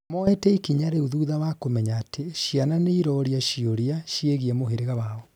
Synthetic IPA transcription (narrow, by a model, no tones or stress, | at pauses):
mɔɛtɛikiɲaɾeuðuːðawakomɛɲaːtʰeʃiananeiɾɔɾiaʃioɾiaʃjeɣiɛmoɦeɾeɣawaɔ